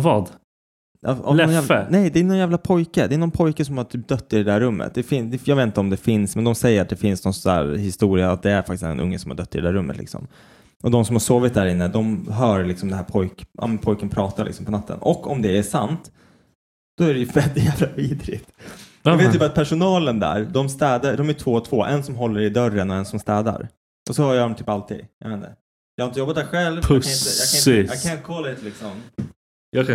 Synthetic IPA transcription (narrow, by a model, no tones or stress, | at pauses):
vɑːd̪ | a̰ɔ̰mɛɔnjænɛjd̪ɛːnɔnjæːvlapʰɔjkəd̪ɛːnɔnpʰɔjkəsɔmhaʈ̪tʰyːp̚d̪œt̪ːɪɾɛd̪æːɾɵmːə̰t̪̚d̪ɛfɪnsd̪ɛjɑːɡveːt̪n̩t̪əɔmd̪ɛfɪnsmɛnd̪ɔmsɛjːəɾat̪̚d̪ɛfɪnsnɔnsɔæ̰ɾhɪst̪uːɾɪaat̪̚d̪ɛæɾfakt̪ɪsd̪ɛ̰nʔɵ̰ŋːəsɔmha̰ɖœt̪ːɪ̰ɾɛd̪æːɾɵmːət̪lɪ̰ksɔ̰m | ʔɔd̪ɔmsɔmhaɾʂoːvɪt̪̚d̪æːɾɪnːəd̪ɔmɦœːɾlɪksɔmd̪ɛnɦæːɾpʰɔjkʔɑ̰ːmɛnpʰɔjkənpʰɾɑːt̪aɾlʔɪ̰ksɔmpʰɔnat̪ʰːə̰nɔkːɔmd̪ɛæʂant̪ | d̪̥ɔæɾɛjɵvɛld̪ɪjævlaviːd̪ɾɪ̰t̪ | ɑveːt̪jəbɑat̪̚pʰæʂʊnɑːlənd̪æ̰ɾd̪ɔmst̪ɛːd̪ad̪ɔmæʈʰv̥oːt̪ʰvoːʔɛ̰nsɔmɦɔlːəɾɪd̪œɾːənɔɛnsɔmst̪ɛːd̪a̰ɾ | ʔɔsɔhːjad̪ɔmt̪ʰyːpalt̪ʰḭd̪jɑ̰meːnd̪ɛ̰ | jɑhaɪnjɔbːat̪̚d̪æːɾɧɛlvaɪnt̪əjɑkʰanɪnjɑːɡkʰanɪnt̪əkʰɔlːad̪ɛt̪lɪksɔm | j